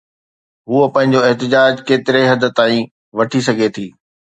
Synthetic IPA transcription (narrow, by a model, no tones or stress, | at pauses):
ɦuəpɐ̃ɦɪ̃ɲ̆d͡ʑoɪɦt̪ɪd͡ʑaːd͡ʑkeːt̪ɪɾeɦɐd̪ʊ̆t̪aːĩ | ʋɐʈʰisɐɡʱet̪ʰiː